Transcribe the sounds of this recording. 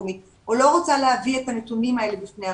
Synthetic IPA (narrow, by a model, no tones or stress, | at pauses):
mit | olo̞ʁot͡salehavie̞tanetumimae̞lebifnea